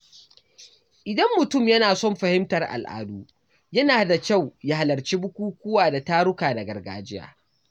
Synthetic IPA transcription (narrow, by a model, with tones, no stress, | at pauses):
ʔɪ˨dɐ˦mːʊ˨tʊ˦˨mjɐ˦naː˨sɔ˦˨mɸɐ˨hɪ˦mtɐ˨rʔa̰˨lʔa̰ː˨duː˦ | jɐ˦naː˨da˨kʲa˦˨wja˦ha˨lɐ˨rt͡ʃiː˦bʊ˦kʷuː˦kʷʊ˦waː˨da˨taː˦ɽʊ˦kaː˨da˨ɡɐ˨rɡa̰ː˦˨d͡ʒɪ˦ja̰ː˨